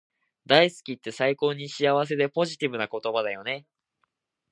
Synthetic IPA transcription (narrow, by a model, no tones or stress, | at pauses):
d̪aisɨ̥kʲit̪ːe̞saiko̞ːɲ̟iɕiaβ̞as̬e̞d̪e̞po̞ʑit̪ʲibɯ̟nako̞t̪o̞bad̪ajo̞ne̞